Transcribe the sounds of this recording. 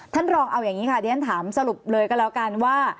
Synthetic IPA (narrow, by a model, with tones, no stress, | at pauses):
t̪ʰa˥˩nɾɔː˧ŋʔa˧wjaː˨˩ŋːiː˦˥kʰa˦˥˩diː˧˦a˥nt̪ʰaː˩˦msa˧ɾu˨˩p̚lɤː˧jkɔː˥˩lɛː˦˥wka˧nwaː˥˩